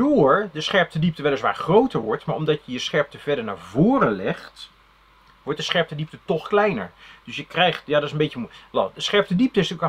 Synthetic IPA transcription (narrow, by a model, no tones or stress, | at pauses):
ʊːɹdəsχɛɹp̚tədip̚təʋɛlˠəsʋa̰ːχrowtəɹʋɔɹtmaːɹɔmdɑtjəjəsχɛɹp̚təv̥ɛɹdəɹna̰ːɹvoːrəlɛxt | ʋɔɹt̚dəsχɛɹp̚tədip̚tətɔxklɛjnə̰ɹdʏsjəkrɛjχtjaːdɔtɪsənbetjəmʋɛdəsχɛɹp̚tədip̚təɪstyk